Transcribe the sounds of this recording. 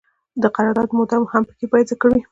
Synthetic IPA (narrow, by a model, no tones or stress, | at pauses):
d̪əqaɾɑɾd̪ɑt̪mod̪amohampə̥kepajzakəwi